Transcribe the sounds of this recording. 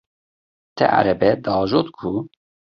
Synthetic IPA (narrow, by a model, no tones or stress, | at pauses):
t̪ʰɛ̰ʔa̰ɾɛbɛd̪ɑːʒoːt̪kʰu